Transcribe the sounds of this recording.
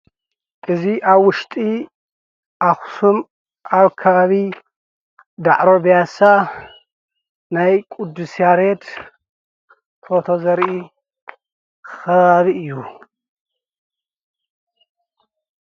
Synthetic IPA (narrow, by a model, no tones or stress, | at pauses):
ʔɨziʔaβwʊʃt̪ʼi | ʔaxsum | ʔaβkʰɐβaβi | d̪a̰ʕɾo̞bjasa | najkʼud̪ːusijaɾet̪ | t̪ʰot̪ʰo̞zɐɾʔi | xɐβaβiɨjːu